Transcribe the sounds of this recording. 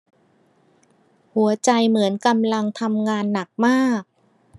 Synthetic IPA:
hu˩˦ɐt͡ɕa˧jmɯ˩˦ənka˧mla˧ŋt̪ʰa˧mŋaː˧nːa˨˩k̚maː˥˩k̚

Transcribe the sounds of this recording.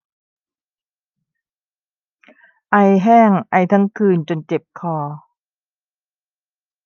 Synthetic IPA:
ʔa˧jɦɛː˥˩ŋʔa˧˩jt̪ʰa˦˥ŋkʰɯː˧nt͡ɕo˧nt͡ɕe˨˩p̚kʰɔː˧˩

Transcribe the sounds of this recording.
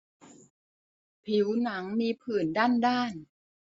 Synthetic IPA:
pʰi˩˦wna˩˦ŋmiː˧pʰɯː˨˩ndaː˥˩ndaː˥˩n

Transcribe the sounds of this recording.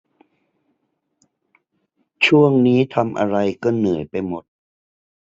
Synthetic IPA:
t͡ɕʰu˥˩əŋniː˦˥t̪ʰa˧mʔa̰˧ɾa˧jkɔ˥˩nɯ˨˩˦əjpa˧jmo˨˩t̪̚

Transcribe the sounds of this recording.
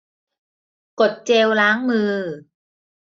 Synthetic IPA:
ko˨˩t̪̚t͡ɕeː˧wlaː˦˥ŋmɯː˧

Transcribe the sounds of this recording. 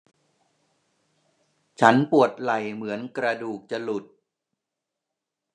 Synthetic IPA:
t͡ɕʰa˦˥npu˨˩ət̪̚la˨˩jmɯ˩˦ənkɾa˧duː˨˩k̚t͡ɕa˨˧lu˨˩t̪̚

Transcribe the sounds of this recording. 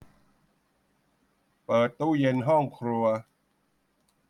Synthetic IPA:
pɤː˨˩t̪ːuː˥˩je˧nɦɔ˥˩ŋkʰɾu˧ɐ

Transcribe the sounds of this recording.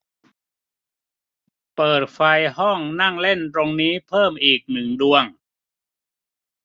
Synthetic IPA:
pɤː˨˩t̪̚fa˧jhɔ˥˩ŋna˥˩ŋle˥˩nt̪ɾo˧ŋniː˦˥pʰɤː˥˩mʔiː˨˩k̚nɯ˨˩ŋdu˧əŋ

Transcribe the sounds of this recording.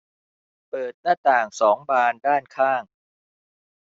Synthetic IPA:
pɤː˨˩t̪̚naː˥˩t̪aː˨˩ŋsɔː˩˦ŋbaː˧ndaː˥˩nkʰaː˥˩ŋ

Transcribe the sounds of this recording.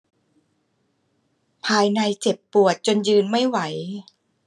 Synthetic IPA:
pʰaː˧jna˧jt͡ɕe˨˩pːu˨˩ət̪̚t͡ɕo˧njɯː˧nma˥˩jwa˩˦j

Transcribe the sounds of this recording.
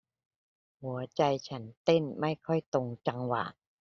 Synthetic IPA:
hu˩˦ɐt͡ɕa˧jt͡ɕʰa˦˥nt̪e˥˩nma˥˩jkʰɔ˥˩jt̪o˧ŋt͡ɕa˧ŋwa̰˨˩ʔ

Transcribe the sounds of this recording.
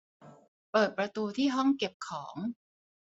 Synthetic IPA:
pɤː˨˩t̪̚pɾa˧t̪uː˧t̪ʰiː˥˩ɦɔ˥˩ŋke˨˩p̚kʰɔː˩˦ŋ

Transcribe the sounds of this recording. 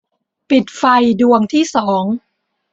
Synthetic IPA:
pi˨˩t̪̚fa˧jdu˧əŋt̪ʰiː˥˩sɔː˩˦ŋ

